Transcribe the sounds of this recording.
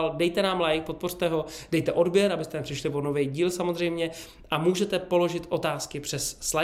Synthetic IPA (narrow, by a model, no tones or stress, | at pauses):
ldɛjt̪ɛnaːmlajk̚po̞t̪̚por̥t̪ɛɦo̞dɛjt̪ɛʔo̞dbjɛɾabɪst̪ɛnɛpr̥ɪʃlɪpono̞vɛːjɟiːlsamo̞zr̝ɛjmɲɛ | ʔamuːʒɛt̪ɛpo̞lo̞ʒɪt̪ʔo̞t̪aːskɪpr̝̥ɛsːla